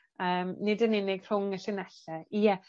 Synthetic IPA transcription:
əːmnɪdənɪnɪɡ̥r̥ʊŋəɬɪnɛɬɛijɛ

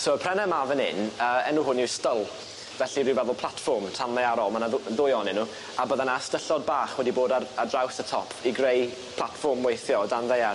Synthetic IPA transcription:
soːəpʰrɛnɛmavənɪ̰nəːɛnuːɦʊniwstəlˠ | vɛɬiɾɪvɛðʊlˠpʰlˠatfɔrmtʰanlɛaɾɔlˠmanaððʊjɔnɪnːu | abəðanastəɬɔd̚baːχwɛdiboːdaradrawsətʰɔpʰiɡrej | pʰlˠatfɔrmwejθjɔdanðeja

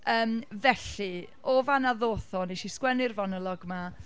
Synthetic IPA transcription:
əːmvɛɬɨ | oːvanaðoːθɔnejʃiskwɛnɪrvɔnəlˠɔɡma

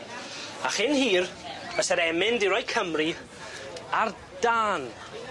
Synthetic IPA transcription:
aχɪnhiːrəsɛɾɛmɪndɪɾɔjkʰəmri | ar | d̥aːn

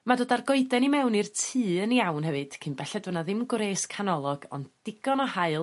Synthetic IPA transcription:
madoːdarɡoɨdɛnimɛwnirtʰɨːəniawnɦɛvɨd̥kʰɨnbɛɬɛdwənaðɪmɡɾeːskʰanɔlˠɔɡ̥ɔ̰nddɪɡ̥ɔnɔhaɨlˠ

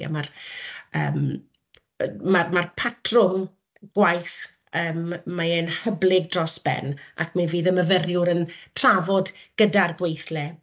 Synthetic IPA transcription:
a̰marə̰ːm | marmarpʰatʰrʊŋ | ɡ̥wajθ | əːmːaɛnhəblˠɪɡ̚drɔsb̥ɛ̰na̰kʰmaviːðəməvərjʊɾəntʰr̥avɔdɡ̥ədarɡwejθlɛ

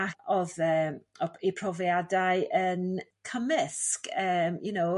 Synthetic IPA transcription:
aɔðəːmɔipʰrɔvjadaɨʔənkʰəmɪskəːmjunow

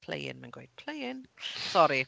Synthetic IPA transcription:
pʰl̥ḛjɪ̰nmanɡwej̥̚pʰl̥ejɪnsɔɾi

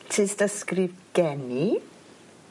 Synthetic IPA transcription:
tʰɪstaskrivɡ̥ɛni

